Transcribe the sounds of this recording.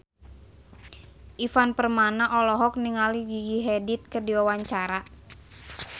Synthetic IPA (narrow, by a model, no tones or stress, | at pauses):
ʔifanpərmanaʔɔlɔɦɔk̚niŋaliɡiɡiɦɛdit̪̚kədiwawaɲt͡ʃaɾa